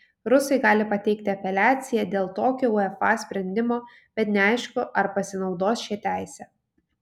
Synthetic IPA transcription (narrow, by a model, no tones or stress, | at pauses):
ɾʊsɐɪɡɑːlʲɪpɐt̪ʲɛɪkt̪ʲɪɐpʲɛlʲæːt̪sʲɪjɛd̪ʲeːlˠt̪oːkʲoːʊɛfɑːsʲpʲɾʲɛnʲd̪ʲɪmoː | b̥ʲɛt̪nʲɛɐɪʃkʊʔɐɾpɐsʲɪnɒʊd̪oːsʃʲɪt̪ʲæˑɪsʲɛː